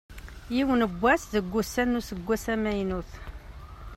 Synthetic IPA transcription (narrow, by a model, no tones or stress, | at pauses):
jiwənəbʷːæsðəɡʷːusːænːusəɡʷːæsæmæjnuθ